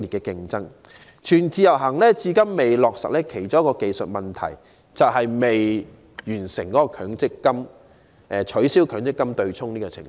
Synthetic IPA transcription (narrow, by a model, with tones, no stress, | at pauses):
i˨tkɛ˧kɪ˧ŋt͡sɐ˥ŋ | t͡ʃʰyː˨˩nt͡siː˧jɐ˨˩wɦɐ˨˩ŋlɛː˥t͡siː˧kɐ˥mːe˨jlɔː˨k̚sɐ̰˨k̚lɛː˥kʰe˨˩jt͡ʃo˥jkɔː˧ke˨jsɵ˨t̚mɐ˨˩nt̪ʰɐ̰˨˩j | t͡sɐ˨wɦɐ˨jme˨j | jyː˨˩nsɪ̰˨˩ŋkɔː˨˦˥kɔː˧kʰœː˨˥ŋt͡sɪ˥kːɐ˥m | ʔɛ˨t͡ʃʰɵ˨˥ɥsi˥wkʰœː˨˧ŋt͡sɪ˥kːɐ˥mt̪ɵ˧ɥt͡sʰʊ˥ŋniː˥kɔ˧t͡sʰɪ̰˨˩ŋ